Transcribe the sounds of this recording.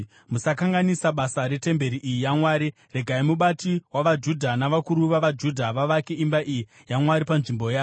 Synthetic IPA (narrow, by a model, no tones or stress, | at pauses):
musakaŋɡanisaɓasaɾe̞te̞mbe̞ɾiʔijijamwaːɾi | re̞ɡʱaimuɓatiwaʋad͡ʒudʱanaʋakuɾuʋaʋad͡ʒudʱaʋaʋakeimbaʔiji | jaŋwaɾipanʐimbo̞jaː